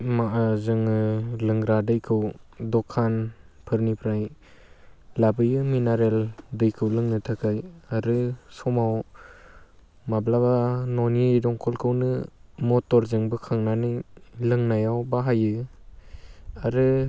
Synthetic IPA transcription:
maʔazɯŋɯlɯŋɡɾadɯjkʰɯwdɔkʰːanpʰɯɾnipʰɾaj | labɯjɯminaɾeldɯjkʰɯwlɯŋnɯtʰakʰajaɾɯsɔmaw | mablabanɔnidɔŋkʰɔlkʰɯwnɯmɔtɔɾzɯŋbɯkʰaŋnanɯjlɯŋnajawbaɦajɯ | aɾɯ

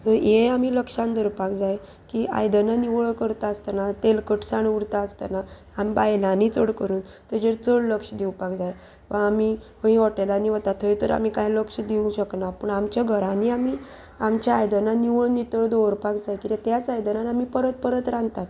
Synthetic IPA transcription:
t̪əɾjeamiːləkʂãnd̪əɾpakd͡zaj | kiːʔa̰jd̪ənaniʋɭkəɾt̪aəst̪anat̪elkəʈsaɳuɽt̪aəst̪a̰naː | mibajlãnit͡səɽkəɾuːn | t̪əd͡ʑeɾt͡səɭləkʂəd̪iwpakd͡zaj | ʋəamikəɦĩʋɔʈelaniʋət̪at̪ʰəjt̪əɾa̰mikajləkʂəd̪iũɕəknapəɳamt͡ɕjaɡʱəɾãniami | amt͡ɕjaːjd̪ənaniʋəɭnit̪əɭd̪oɾpakd͡zajkit̪et̪jat͡sajd̪ənanamipəɾət̪̚pəɾət̪ɾãnt̪at̪

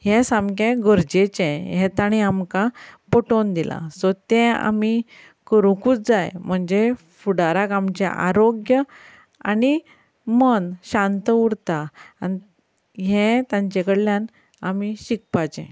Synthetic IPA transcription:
hɛsãmkẽɡəɾd͡ʑet͡ɕɛ̃ɦɛ̃t̪aɽ̃iamkapɔʈond̪ilʔa̰sɔt̪ɛ̃a̰mi | kəɾukuːt͡s̚d͡zajm̤əɳd͡ʑe | fuɽaɾakamt͡ɕɛ̰̃ʔa̰ɾoɡjə | a̰ni | mənɕãnt̪əuɽt̪aani | ɦɛ̃t̪jãɲt͡ɕekəɽljan | amiɕik̚pat͡ɕɛ̰̃

